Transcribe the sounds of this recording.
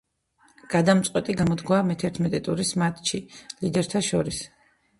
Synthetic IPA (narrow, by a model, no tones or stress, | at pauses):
ɡ̥ad̪amt̪sʼqʼwɛt̪ʼiɡamɔd̪ɡwaːmɛt̪ʰɛɾt̪ʰmɛt̪ʼɛt̪ʼuɾismat̪ʰʼʃilid̪ɛɾt̪ʰaʃɔɾis